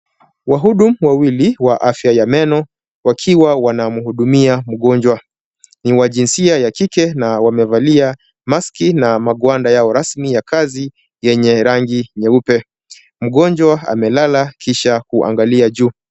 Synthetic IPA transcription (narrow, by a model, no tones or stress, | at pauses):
waɦuɗum̩wawiliwaʔafjajamɛnɔ | wakʰiwawanamuhuɗumiamuɠɔɲd͡ʒwa | niwaʄinsiajakikɛnawamɛvalia | maskinamaɠwandajaɔɾasmijakazi | jɛɲɛɾaŋɡiɲɛupɛ | m̩ɠɔɲd͡ʒwaa̰mɛlalakiʃakuʔa̰ŋɡaliaʄuː